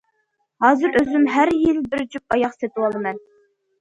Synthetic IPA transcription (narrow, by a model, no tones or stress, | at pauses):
hɑːzɨɾøzymɦæɾjilbɪɾd͡ʒyp̚ɑjɑqset̪uwɑlˠɨmɛn